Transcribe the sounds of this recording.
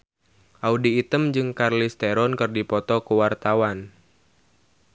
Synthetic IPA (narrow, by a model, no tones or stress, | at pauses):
ʔaudiːt̪əmd͡ʒɨŋkarlist̪eɾɔnkɨrdipɔt̪ɔkuwart̪awan